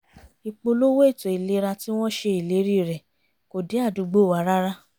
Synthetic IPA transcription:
i˨k͡po˧lo˦wo˦i˦˨to˨i˨le˨˦ɾa˧ti˦w̃ɔ̃˦ʃe˧i˨le˨˦ɾi˦˨ɾɛ˨ | ko˨de˨˦a˦˨du˨˧ɡ͡bo˦˨wa˨˦ɾa˦ɾa˦

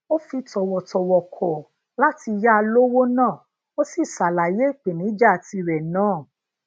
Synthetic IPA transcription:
o˦fi˧tɔ˨wɔ˨tɔ˨wɔ˨kʰɔ˨ | la˦ti˧ja˦a˧lo˦wo˦nãː˦˨ | o˦si˦˨sa˨la˨je˦˨k͡pe˨nĩ˨˦d͡ʒa˦a˨ti˧ɾɛ˨nãː˦˨

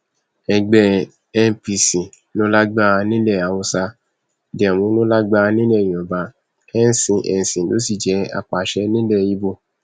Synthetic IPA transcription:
ɛ˧ɡ͡bɛ˧ | ɛ˧n˨pi˧sĩ˨ | lo˦la˦ɡ͡ba˦˧nĩ˦lɛ˦˨a˨wo˧sa˧ | dɛ˨mũ˨˦nõ˦la˦ɡ͡ba˦˧nĩ˦lɛ˦˨jĩ˨ɔ˨ba˨˧ | ɛ˦n̩˦sĩ˧ʔɛ̰˨n̩˨sĩ˨lo̰˦si˦˨d͡ʒɛ˨˦a̰˧˨k͡pa˨ʃɛ˨˦nĩ˦lɛ˦˨i˨˦bo˧

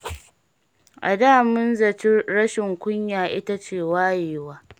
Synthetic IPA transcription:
ʔa̰˨daː˦mʊ˦nzɐ˨t͡ʃɪ˦ɽɐ˦ʃɪ˨ŋkʷʊ˦ɲjaː˨ʔɪ̰˦ta˦t͡ʃeː˨waː˦jeː˨waː˦

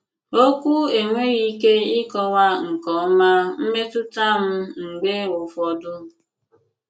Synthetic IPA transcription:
o˦kʷu˦e˨ŋʷe˦ɣi˦ke˦ɪ˦kɔ˦wa˦ŋ̩˨kɔ˨˦ma˦m̩˦me˦tʊ˦ta˦m̩˦ŋ̩˨ɡ͡be˦ʊ˨fɔ˨dʊ˦˨

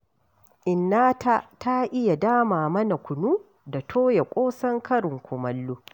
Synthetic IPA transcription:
ʔɪ˨nːaː˦tʰa˦ta˦ʔɪ˦ja˨daː˦maː˨mɐ˦na˨kʷʊ˨nuː˦ | da˨tʰoː˦ja˨kʷʼoː˦sɐ˦ŋkʰɐ˦ɾɪ˨ŋkʷʊ˨mɐ˦lːu˦

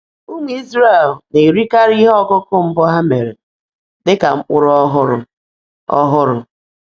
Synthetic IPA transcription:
u˦ŋʷe˦i˦zɾe˦˨e˨lne˨ɾi˦ka˦ɾi˦ɦɔ˦˨kʊ˦kʊ˦m̩˦bɔ˦ɦa˦me˨ɾe˨ | dɪ˦ka̰˨m̩˦k͡pʊ˦ɾɔ˦ɦʊ˦ɾʊ̰˨ | ɔ˦ɦʊ˦ɾʊ˨

